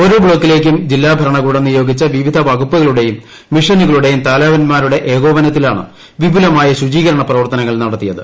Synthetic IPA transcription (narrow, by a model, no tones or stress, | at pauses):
o̞ɾoːbɭo̞ːkːile̞ːk̬ʲːumd͡ʑilːaːbʱɐɾɐɳɐɣuːɽɐnːujo̞ːɡit͡ɕːɐʋiʋid̪ʱɐʋɐɡupːuɣɐɭuɽe̞jumː | iʂɐniɣɐɭuɽe̞jumt̪aːlaːʋɐnmaːɾuɽe̞ʔeːɣo̞ːʋɐnɐt̪̬ːilaːɳɨ̰ | ʋibʱulɐmaːjɐɕud͡ʑiːɣɐɾɐɳɐprɐʋɐrt̪ɐnɐŋːɐɭnɐɽɐt̪ːijɐðɨ̰